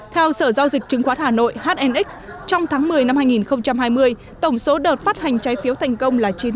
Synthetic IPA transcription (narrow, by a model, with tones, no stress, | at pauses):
t̪ʰɛ˧wsəː˧˩za˧wzi˨˩k̚t͡ɕɨ˨˦ŋxwaː˨˦˥t̚haː˨˩no̰˧˨jhaː˦˥t̚ʔɛ˧nʔi˦˥k̚st͡ɕɔ˧wŋ͡mt̪ʰaː˨˦ŋmɨ˨˩əjna˧mhaː˧jŋi˨˩nxə˧wŋ͡mt͡ɕa˧mhaː˧jmɨ˧əj | t̪ə˧˩wŋ͡mso˨˦ɗəː˨˩t̚faː˦˥t̚ha˨˩jŋ̟t͡ɕa˨˦jfi˨˦əwt̪ʰa˨˩jŋ̟kə˧wŋ͡mlaː˨˩t͡ɕi˨˦ə